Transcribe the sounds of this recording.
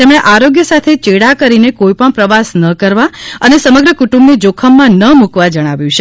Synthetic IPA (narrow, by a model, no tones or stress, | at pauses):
t̪emɽ̃eʔaɾoɡjəsat̪ʰet͡ʃeɽakəɾinekoipəɳpɾəʋasnəkəɾʋaənesəməɡɾəkuʈũmbnid͡ʒokʰəmːãnəmukʋad͡ʒəɽ̃aʋjũt͡ʃʰe